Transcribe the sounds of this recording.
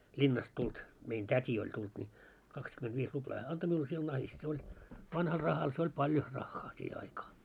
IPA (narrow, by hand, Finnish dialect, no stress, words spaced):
lʲinːɑst tult mein tætʲi olʲ tult nʲi kɑkskymentʋiːs ruplɑː hæː ɑnto miul sil nɑhist se olʲ ʋɑnhɑl rɑhɑl se olʲ pɑljo rɑxːɑː siːhe ɑikɑː